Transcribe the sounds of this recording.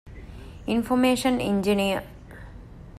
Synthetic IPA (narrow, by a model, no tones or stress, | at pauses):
infomeːʃɐnḭɲd͡ʒiniə